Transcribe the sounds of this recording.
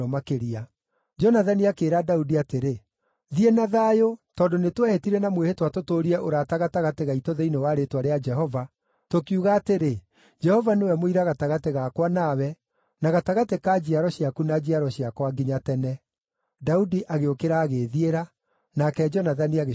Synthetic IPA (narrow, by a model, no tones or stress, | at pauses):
ɔmakeɾia | d͡ʒɔnaðaniakeːɾadaudiateɾe | ðienaðajotɔːndonetwɛhetiɾɛnamwehetwatotoːɾiɛʔoɾataɣataɣateɣaitoðeinewaɾetwaɾead͡ʒɛɦɔva | tokiuɣaːteɾe | d͡ʒɛhɔvanewɛmoiɾaɣataɣateɣakwanawɛ | naɣataɣatekad͡ʑiaɾɔɕiakunad͡ʑiaɾɔɕiakwaɡiɲatɛnɛ | daudiʔaɣeokeɾaːɣeðieɾa | nakɛd͡ʒɔnaðaniaɣ